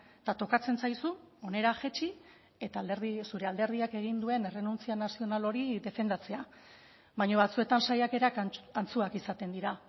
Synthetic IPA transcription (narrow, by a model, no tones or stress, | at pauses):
t̪at̪o̞kat͡se̞nsajsuo̞ne̞ɾaxe̞t͡ʃi | et̪alɾðisuɾe̞ald̪e̞ɾð̞iake̞ɣ̞ind̪ue̞ne̞re̞nunt͡sianasio̞nalo̞ɾiðe̞fe̞nd̪at͡se̞a | βaɲoβ̞at͡sue̞t̪ansajake̞ɾakant͡suakisat̪e̞nd̪iɾa